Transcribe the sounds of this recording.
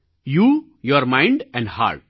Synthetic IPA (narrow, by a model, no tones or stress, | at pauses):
juː | joɾmãɪ̃ɳɖɛ̃ɳɖha̰ːɾʈ̚